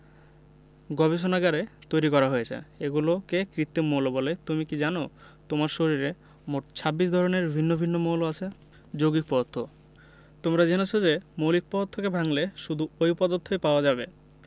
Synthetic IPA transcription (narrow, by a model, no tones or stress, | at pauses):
ɡɔbeʃ̬onaɡaɾet̪ojɾikɔɾaɦojet͡ɕʰḛeɡulokekɾit̪ːemolobolet̪umikid͡ʑanot̪omaɾʃoɾiɾe | moʈ̚t͡ɕʰabːiʃ̬d̪ʱɔɾoneɾbʱinːobʱinːomoloat͡ɕʰe | d͡ʑoɡik̚pɔt̪ʰːo | t̪omɾad͡ʑenot͡ɕʰod͡ʑemolik̚pɔt̪ʰːokebʱaŋleʃud̪ʱuojpɔd̪ot̪ʰːojpaoad͡ʑabe